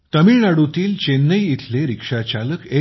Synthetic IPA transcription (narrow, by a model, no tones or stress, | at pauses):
t̪əmiːɳaɽut̪iːlt͡ɕenːəjit̪ʰleɾikʂat͡ɕaləke